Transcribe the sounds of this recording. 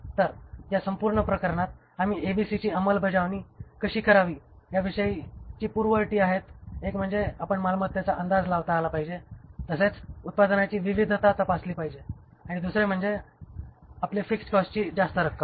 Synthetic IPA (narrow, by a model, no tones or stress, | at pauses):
t̪əɾɦjasəmpuɾɳəpɾəkəɾɳat̪̚ | amiːʔebisit͡ɕiːəməlbʱəd͡zaʋniːkəɕiːkəɾaʋiːjaʋiʂəit͡ɕiːpuɾʋəʈiːaɦet̪ekm̤əɳd͡zeapəɳmalmət̪ːjat͡saənd̪ad͡zlaʋt̪aːlapaɦid͡ʑet̪əset͡sut̪̚pad̪nat͡ɕiːʋiʋid̪ʱt̪at̪apasliːpaɦid͡ʑe | aɽ̃id̪usɾem̤əɳd͡ze | aplefikskɔst͡ɕiːd͡zast̪əɾəkːə